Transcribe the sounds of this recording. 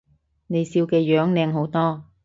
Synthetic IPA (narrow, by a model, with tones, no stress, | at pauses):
ne˨˧jsiː˧wkɛː˧jœː˨˥ŋlɛː˧ŋɦo˨˥wt̪ɔː˥